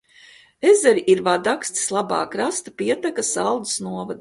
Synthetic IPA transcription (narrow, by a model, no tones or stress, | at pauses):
ezɛɾiʔiɾvad̪akst̪i̥slˠaba̰ːkɾast̪apiɛt̪akasalˠd̪snuɔvad̪